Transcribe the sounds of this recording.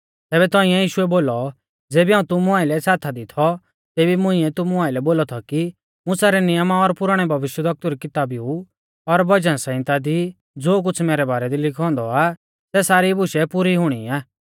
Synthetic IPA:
t̪ɛːbɛt̪ɔ̃ːĩɛ̃jiːʃʊɛboːlɔ | d͡zeːbiɦaːũt̪ʊmʊ̃aːɪlɛsaːt̪ʰad̪it̪ʰɔ | t̪eːbimʊ̃ɪĩɛt̪ʊmʊaːɪlɛboːlɔt̪ʰɔki | mʊ̃saːɾɛnɪjəmaɔɾpʊɾaːɽ̃ɛbʱɐʋɪʃjəd̪ɐk̚t̪uɾɛkɪt̪aːbiu | ɔɾbɐd͡ʒənsɛ̃ɪ̃t̪ad̪i | d͡zoːk̬ʊt͡sʰmɛːɾɛbaːɾɛd̪ilɪkʰɔ̃ːnd̪ɔa | sɛsaːɾibʊʃɛpuːɾiɦʊɽ̃iaː

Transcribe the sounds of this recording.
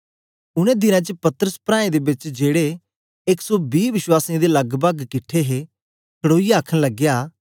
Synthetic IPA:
ʊɽ̃ẽd̪ɪnãt͡ʃəpɐt̪əɾəspɾãːẽd̪ebɪt͡ʃd͡ʒeːɽe | ɪksɔbiːʋɪʃwaːsiãd̪elɐɡbəɡkɪʈʰːeɦe | kʰəɽoːijaaːkʰə̃nləɡjaː

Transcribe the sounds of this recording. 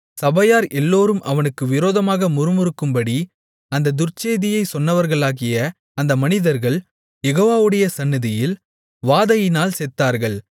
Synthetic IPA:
sɐbɐjaːɾɛlːoːɾɯmʔɐʋɐnɯkːɯʋɪɾoːðɐmaːɣɐmʊɾɯmɯɾɯkːɯmbɐɽi | ɐnd̪ɐd̪ʊrt͡ʃeːðɪjɐɪsɔnːɐʋɐɾɣɐɭaːɣɪjɐ | ɐnd̪ɐmɐnɪðɐɾɣɐɭ | jɛɣoːʋaːʋɯɽɐjɐsɐnːɯðɪjɪl | ʋaːðɐjɪnaːlsɛt̪ːaːɾɣɐɭ

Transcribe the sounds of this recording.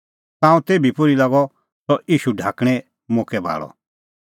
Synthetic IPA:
t̪ãːũt̪eːbʱipʊɾilaɡɔ | sɔʔiːʃuɖʱaːkɽ̃ɛ | mõːkɛbʱa̰ːɭɔ̰

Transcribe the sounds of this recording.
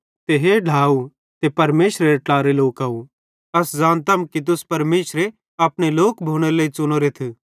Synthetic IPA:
t̪eɦeɖʱaːu | t̪epɐɾmeːʃɾeɾʈlaːɾeloːkaːu | ɐsd͡zaːnt̪ɐmkit̪̬ʊspɐɾmeːʃɾe | ɐːpɽ̃eloːkbʱoːɽ̃eləit͡sʊñoːɾet̪ʰi

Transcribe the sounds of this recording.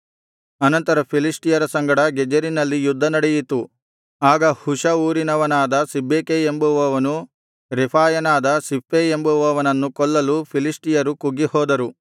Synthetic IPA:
ɐnɐnt̪ɐɾɐpʰilisʈijɐɾɐsɐŋɡɐɽɐɡɛd͡ʒɐɾinɐlːijud̪ʱːɐnɐɽejit̪u | aːɡɐhuʃɐuːɾinɐʋɐnaːd̪ɐsibʱːeːkeembuʋɐʋɐnu | ɾɛpʰaːjɐnaːd̪ɐsipːeembuʋɐʋɐnɐnːukɔɭːɐlupʰilisʈijɐɾukuɡːihɔːd̪ɐɾu

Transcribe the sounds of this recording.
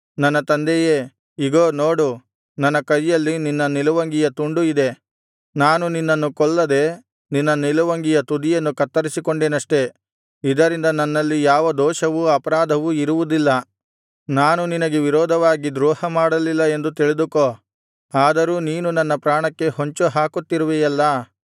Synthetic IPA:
nɐnːɐt̪ɐnd̪ejeː | iɡoːnoːɽu | nɐnːɐkɐjːɐlːininːɐnilɐʋɐŋɡijɐt̪uɳɖuid̪e̞ | naːnuninːɐnːukɔɭːɐd̪e̞ | ninːɐnilɐʋɐŋɡijɐt̪ud̪ijɐnːukɐt̪ːɐɾisikoɳɖeːnɐʂʈe̞ | id̪ɐɾind̪ɐnɐnːɐlːijaːʋɐd̪ɔːʃɐʋuɐpɐɾaːd̪ʱɐʋuiɾuʋud̪ilːɐ | naːnuninɐɡeʋiɾɔːd̪ʱɐʋaːɡid̪ɾɔːhɐmaːɽɐlilːɐe̞nd̪ut̪iɭid̪ukoː | aːd̪ɐɾuːniːnunɐnːɐpɾaːɳɐkːe̞hoɲt͡ʃuɦaːkut̪ːiɾuʋejɛlːɐ

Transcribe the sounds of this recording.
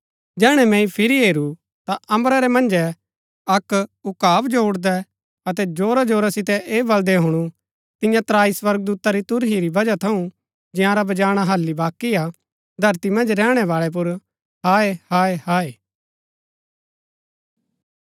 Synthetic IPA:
d͡ʒɛːɽ̃ɛmɛ̃ĩpʰɪɾiɦeːɾu | t̪aʔɐmɾaɾɛmɐ̃nd͡ʒɛ | ɐkʊkaːbd͡ʒoʊɽd̪ɛ | ɐt̪̬ɛd͡ʒoːɾad͡ʒoːɾasɪt̪ɛʔeːbɐld̪ɛɦʊɽ̃u | t̪ɪjãt̪ɾaːiswɐɾɡ̚d̪uːt̪aɾit̪ʊɾɦiɾibɐd͡ʒat̪ʰɐũ | d͡ʒɪjãɾabɐd͡ʒaːɽ̃aɦɐlːibaːkːia | d̪ʱɐɾt̪imɐ̃nd͡ʒɾɛːɽ̃ɛʋaːɭɛp̬ʊɾ | ɦaːehaːehaːeː

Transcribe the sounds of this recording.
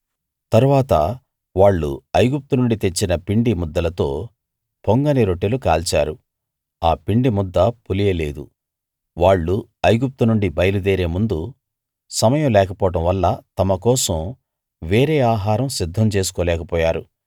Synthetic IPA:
t̪ɐɾuʋaːt̪ɐ̰ | ʋaːɭːṵɐjɡup̚t̪unuɳɖit̪e̞t͡ʃːinɐpiɳɖimud̪ːɐlɐt̪o̞̰ː | poŋɡɐniɾoʈːelukaːlt͡ʃa̰ːɾu | aːpiɳɖimud̪ːɐpulijɐleːd̪u | ʋaːɭːuɐjɡup̚t̪unuɳɖibɐjɐlud̪eːɾeːmund̪u | sɐmɐjɐmlɛːkɐpɔːʈɐmʋɐlːɐt̪ɐmɐkɔːsɐm | ʋeːɾeːaːɦaːɾɐmsid̪ʱːɐmt͡ʃe̞ːsu̥kɔːlɛːkɐpɔːjaːɾu

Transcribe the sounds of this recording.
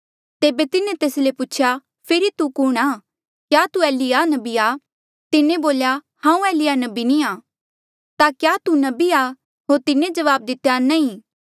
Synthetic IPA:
t̪eːbet̪ɪnẽt̪eːslepʊːt͡ʃʰja | pʰɪɾit̪ukʊːɽ̃aː | kjaːt̪uɛːlianɐbia | t̪ɪnẽboːlja | hãːũɛːlɪjanɐbinĩaː | t̪akjaːt̪unɐbia | ɦoːɾt̪ɪnẽd͡ʒɐʋaːb̚d̪ɪt̪janɐ̃ĩ

